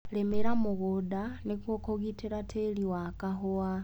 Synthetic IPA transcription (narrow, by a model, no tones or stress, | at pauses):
lemeɾamuɣudanikokoɣiteɾatʰeliwakaɦuwa